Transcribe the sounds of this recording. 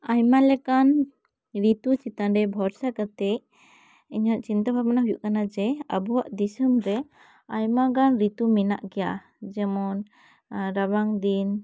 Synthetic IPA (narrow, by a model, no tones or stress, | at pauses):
ajmalɛkan | ɾit̪ut͡ʃit̪anɖɛbʱɔɾsakat̪ɛ | iɲɔʔt͡ʃint̪abʱabanaɦujṵʔkanad͡ʒɛəbuwaʔd̪isəmɾɛ | ajmaɡanɾit̪umina̰ʔkɛja̰ | d͡ʒɛmɔn | ɾabaŋd̪in